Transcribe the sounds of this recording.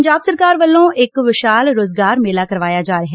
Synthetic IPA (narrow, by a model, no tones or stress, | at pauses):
ɲd͡ʒaːbsəɾkaːɾʋəlːõːɪkʋɪʃaːlɾoːzɡaːɾmeːlaːkɐɾʋaːjad͡ʒaːɾɐɦɛ